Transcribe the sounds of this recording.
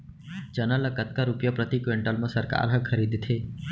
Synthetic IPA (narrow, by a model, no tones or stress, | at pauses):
d͡ʒənələkət̪̚kaɾupjəpɾət̪ikʋeɳʈəlmãsəɾka̰ɾɦəkʰəɾid̪ʱt̪ʰe